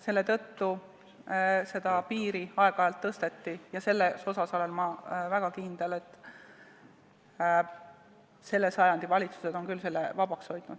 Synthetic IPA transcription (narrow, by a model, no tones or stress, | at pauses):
se̞lːe̞t̪ɤ̞t̪ːu | se̞d̪̥ɑpiːɾiɑe̞ɡ̥ɑɑjɑlt̪ːɤst̪e̞t̪ːijɑse̞lːeso̞sɑsɑlelmɑvæɡ̥ɑkind̪̥ele̞t̪ːˑ | se̞lːe̞sɑjɑnd̪̥ivɑlʲit̪su̥se̞d̪̥o̞nkylse̞lːevɑbɑksho̞jt̪nud̥̪